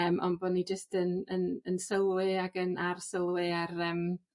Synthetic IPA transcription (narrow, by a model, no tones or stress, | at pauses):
əmʔɔ̰nbɔnid͡ʒəstənənənsəlˠwɪaɡənarsəlˠwɪarəːm